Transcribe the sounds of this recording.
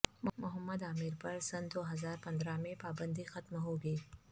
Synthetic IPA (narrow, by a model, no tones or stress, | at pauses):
mʊmʊɦəmːəd̪aːmɪɾpɐɾsɐnd̪oɦɐzaːɾpɐnd̪ɾamẽpaːbə̃nd̪ixɐt̪mɦoːɡiː